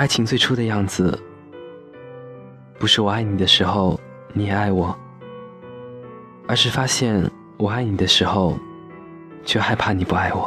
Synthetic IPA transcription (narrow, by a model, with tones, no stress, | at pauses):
a˥˩ɪt͡ɕʰi˧˥ŋt͡swe˥˧ɪʈ͡ʂʰu˥d̪ə˨˧jɑ˥˩ŋd͡zɹ̩˨˩ | pu˧˥ʂɻ̩˥˩wɔ˨˩a˥˩ɪni˨˩d̪ə˦ʂɻ̩˧˥xo˧ʊ | ni˧˥jɛ˨˩a˥˩ɪwɔ˨˩˦ | ə˞˧˥ʂɻ̩˥˩fa˥ɕjɛ˥˩n | wɔ˨˩a˥˩ɪni˨˩d̪ə˦ʂɻ̩˧˥xo˧ʊ | t͡ɕʰɥɛ˥˧xa˥˧ɪpʰa˥˩ni˨˩pu˥˧a˥˩ɪwɔ˨˩˦